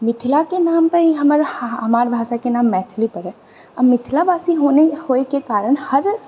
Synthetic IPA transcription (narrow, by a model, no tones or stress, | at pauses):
mɪt̪ʰlakenaːmpɐɾjeɦɐməɾɦɐmaːɾbʱaːʃakenaːmːɛːt̪ʰlipɐɾɦɛː | ɐmːɪt̪ʰlabaːsiɦoːnehoːekekaːɾəɽ̃hɐɾ